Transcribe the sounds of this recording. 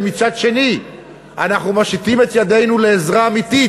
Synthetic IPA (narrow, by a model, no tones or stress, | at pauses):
mit͡sadʃe̞ni | ʔa̰naχnumaʃit̪ime̞t̪jad̪e̞jnule̞ːzʁaːmit̪i